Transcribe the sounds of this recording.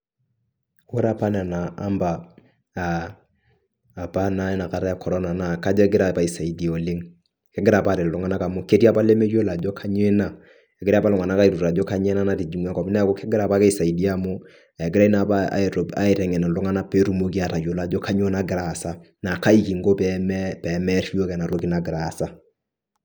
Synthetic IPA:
wʊ˦ɾa˦pa˦na˨na̰ː˨˦mba˨ | pa˦na˦ɛ˦na˨ka˨ɾa˦a˦kʰɔ˨ɾɔ˦na˨na˨ka˦d͡ʒɔ˦ɛ˦ɡɪ˦ɾa˦pa˨i˨sa˨i˨di˨ɔ˨lɪ˦ŋ | kɪ˦ɡɪ˦ɾa˨pa˦˨ɾe˨lʊ˨˦ŋa˦na˦ka˨mʊ˦ke˦ti˦a˦pa˦le˦me˦jo˦la˨d͡ʒɔ˦kʰa˦ɲ˦ɛ˦na˦ | ɛ˨ɡɪɾa˦pa˦lʊ˨ŋa˨na˦ka˦i˨ɾu˨ɾa˨d͡ʒo˦ka˦ɲɛ˦na˦na˨ti˨d͡ʒi˨ŋwa˦kɔ˨pnɛ˦ko˦kɪ˦ɡɪ˦ɾa˨pa˦kɛ˦i˦sa˨i˨di˦a˦mʊ˦ | a˨ɛ˨ɡɪ˦ɾa˦i˦na˨pa̰˦˨ɾo˨a̰˨ɪ˨ɾɛ˨ŋɛ˨nɛ˨lʊ˦ŋa˦na˦pe˦ɾu˦mo˦ki˦a˨ɾa˨jo˨la˨d͡ʒo˦kʰa˦ɲ˦e˦na˦ɡɪ˨ɾa˨sa˦ | na˨ka˦i˦ki˨ŋ̩˦ɡo˦pɛmɛpɛ˨mɛ˦ɾi˦jo˦kɛ˨na˨ɾo˦ki˦na˨ɡɪ˨ɾa˨sa˦

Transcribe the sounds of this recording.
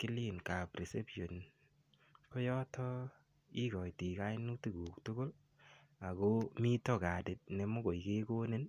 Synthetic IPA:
ki˦li˦˨nka˨pɾi˨se˦po˨n | ko˦jɔ˦tɔ˦ | i˦kɔ˨jti˨ka˦jnu˦ti˦ɡu˨ktʊ˦ɡo˦l | a˨ko˦mi˦tɔ˦ka˨de˨t̚ne˨mo˦ɡo˨ike˦ko˦ne˦n

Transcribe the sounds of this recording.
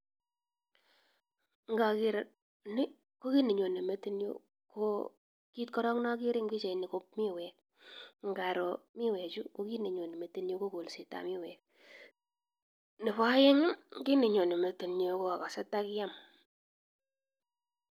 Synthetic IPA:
ŋɡa˨ki˦ɾa˨ | nɪ˦ | ko˦ki˦ni˨ɲo˨ne˨me˨ti˦njo̰˦ | ko˦ | ki˦tkɔ˦ɾɔ˦kna˦ki˦ɾɪ˦ŋki˦t͡ʃe˨ni˨ko˦p̚mi˦wɛ˨k̚ | ŋ˦ɡa˨ɾo˨mi˦wɛ˨t͡ʃu˦ko˦ki˦ne˨ɲo˨ne˨me˨ti˦njo˦ko˦ko˨lsi˨ta̰˨mi˦wɛ˨k̚ | ni˨pa˦je˦ŋ˦ki˦ne˨ɲo˨ne˨me˨ti˨njo˨ko˦a˨ka˨sɛ˦tːa˦kɪ˦ja˦m

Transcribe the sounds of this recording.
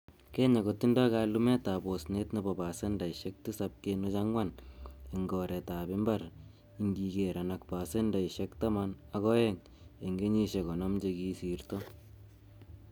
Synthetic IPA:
kɛ˦ɲa˨koti˦ndɔ˦kalumɛ˦ta˨bo˨snetnibɔ˨ba˨senda˨iʃɛk̚ti˦sap̚kenu˦t͡ʃa˦ŋwa˦ne˨ŋɡɔ˨ɾɛ˨ta˨bi˦mba˦ɾ | iŋɡi˨ke˨ɾa˨nak̚pa˨se˦nda˨iʃɛkta˦mana˦kɔ˦jɛŋ | e˨ŋɡe˦ɲi˦ʃe˨kɔ˨nɔ˦md͡ʒe˧kiː˦si˨ɾtɔ

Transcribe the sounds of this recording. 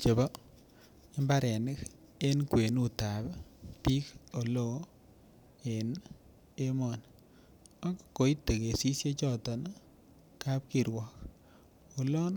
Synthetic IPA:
t͡ʃe˨bɔ˦ | ɪ˦mba˦ɾɛ˨nɪ˦k | e˦nkwe˨nu˦ta˨bpi˦ko˨lo˦˨ | e˨n | e˦mɔ˨n | a˦kko˨i˦te˨ke˨si˦sje˦t͡ʃɔ˦˨tɔ˨n | ka˦p̚ki˨ɾwɔ˨k | o˨lɔ˦n

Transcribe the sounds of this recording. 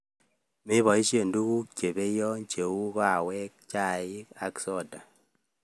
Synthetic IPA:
mɪ˦βɔ˨i˦ʃe˨ndu˦ku˦k̚t͡ʃe˨be˦jɔ˦ɲt͡ʃe˨u˦ka˨wɛ˦k̚t͡ʃa˦˨ɪ˦ka̰˦ksɔ˦˨da˨

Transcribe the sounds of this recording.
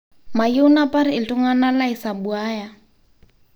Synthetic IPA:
ma˨jʊ˦napʼaɾɪɪ˨tʼʊ˦ŋa˦na˦la˦ɪ˨sa˨bu˨aː˦ja˨

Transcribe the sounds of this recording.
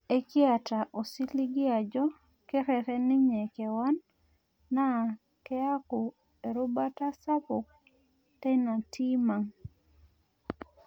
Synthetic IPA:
e˦kɪ˦a˨ta˨ʔo˨si˦li˦ɡɪ˦a˨d͡ʒɔ˦ | kɛ˦ɾɛ˨ɾɛ˦nɪ˦ɲɛ˨kɛ˨wa˦nː | a˦˨ | kɛ˦a˦ku˨ | e˨ɾʊ˦ba˦ta˦sa˦pʊ˨k̚ | tɛ˦na˨tʰi˦ma˨ŋ

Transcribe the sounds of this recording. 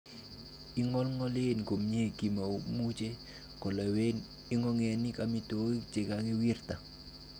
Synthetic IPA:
ɪ˦ŋɔ˦lŋɔ˦lɪ˦nko˨mɲe˦˨ki˨ma˨o˦mu˦t͡ʃe˦ | kɔ˨le˨we˦n | ɪ˦ŋɔ˦ŋe˨nɪ˦ka˨mi˦to˦i˦t͡ʃe˨ka˨ŋe˦wi˦rta˨

